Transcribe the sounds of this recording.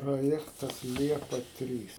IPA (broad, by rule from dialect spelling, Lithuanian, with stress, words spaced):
proːˈjæːktɐs ˈlʲiɛpɐ ˈtʲrʲiːs